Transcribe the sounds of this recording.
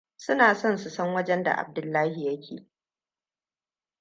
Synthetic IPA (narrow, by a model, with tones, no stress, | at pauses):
sʊ˦naː˨sɔ˦nsʊ˨sɐ˦ŋwɐ˦d͡ʒɛ˦nda̰˨ʔa̰˨b̚dʊ˨lːaː˦hi˨jɐ˦kʲʰḛː˨